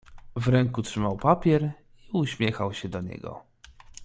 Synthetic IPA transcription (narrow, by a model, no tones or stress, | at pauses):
vɾɛŋkutʂɘmawpapʲjɛɾ | iuɕmʲjɛxawɕɛd̪ɔɲɛ̰ɡɔ̰